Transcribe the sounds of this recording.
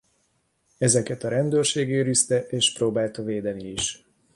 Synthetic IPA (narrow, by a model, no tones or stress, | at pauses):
ɛzɛkɛt̪ɒɾɛnd̪øːrʃeːɡeːɾist̪ɛʔeːʃproːbaːlt̪ɒveːd̪ɛniiʃ